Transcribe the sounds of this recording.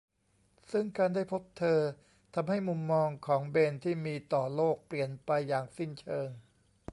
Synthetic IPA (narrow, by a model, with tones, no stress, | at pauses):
sɯ˥˩ŋkaː˧ndaː˥˩jpʰo˦˥p̚t̪ʰɤː˧ | t̪ʰa˧mɦa˥˩jmu˧mːɔː˧ŋkʰɔː˩˦ŋbeː˧nt̪ʰiː˥˩miː˧t̪ɔː˨˩loː˥˩k̚pli˨˩ənpa˧jːaː˨˩ŋsi˥˩nt͡ɕʰɤː˧ŋ